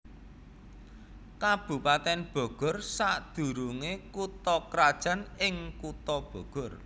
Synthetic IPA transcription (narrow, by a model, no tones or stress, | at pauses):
kab̥ṳpat̪ɛnb̥ɔ̤ɡ̥ɔ̤rsaʔd̪̥ṳɾuŋekut̪ɔkɾad̥ʒ̥a̤nɪŋkut̪ɔb̥ɔ̤ɡ̥ɔ̤r